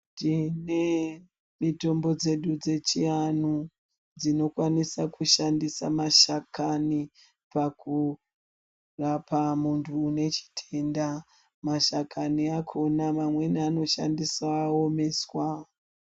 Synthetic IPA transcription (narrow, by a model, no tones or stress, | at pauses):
tine | mito̞mbo̞d͡ze̞ɗud͡ze̞t͡ʃianu | d͡zino̞kwanisakuʃandisa̰maʃakani | paku | rapamuntʰuːne̞t͡ʃi̥tʰe̞nda | maʃakʰaniakʰo̞namamwe̞niano̞ʃa̰ndisaːo̞me̞swa